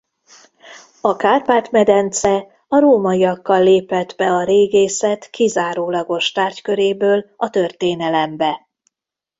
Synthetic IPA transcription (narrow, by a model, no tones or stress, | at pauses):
ɒkaːrpaːt̪mɛd̪ɛnt̪sɛ | ɒɾoːmɒijɒkːɒlːeːpɛt̪bɛɒɾeːɡeːsɛt̪kizaːɾoːlɒɡo̞ʃt̪aːrckø̞ɾeːbøːlɒt̪ø̞rt̪eːnɛlɛmbɛ